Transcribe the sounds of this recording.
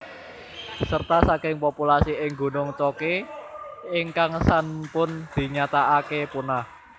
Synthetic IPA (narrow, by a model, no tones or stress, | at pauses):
sərt̪asakɪŋpopulasiɪŋɡṳnʊŋt͡ʃoke | ɪŋkaŋsanpʊnd̪̥i̤ɲat̪aakepunah